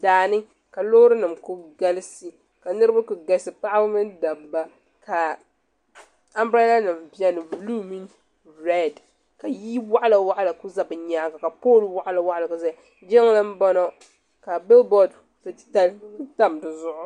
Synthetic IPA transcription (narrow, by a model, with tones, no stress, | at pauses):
daː˨nɨ˦ | ka˨loː˦ɾɨ˦nɨ˨mku˦ɡa˦lsi˦ | ka˨nɨ˦ɾɨ˦ba˦kʊ˨ɡa˦lsɨ˨pa˦ʔa˦bʊ˦mɨ˦nda˨mba˦ | ka˨ | a˦mbɾa˦la˦nɨ˨mbi˦ɛ˦nɨ˨blu˦mi˦n | ɾɛ˦d | ka˨ji˦wa˦ʔa˦la˨wa˦ʔa˦la˨ku˦za˦bɨ˨ɲaː˨˦ɡa˨ka˨poː˦˨lwa˦ʔa˦la˦wa˦ʔa˨la˨ka˨za˦˨ | d͡ʒɪ˦ŋ˦la˦m̩˦bɔ˦nɔ˦ | ka˨bɪ˦lbɔ˦˨d | tɨ˦tta˦ltɨ˦ta˦mdɨ˨zʊ˦ʔʊ˦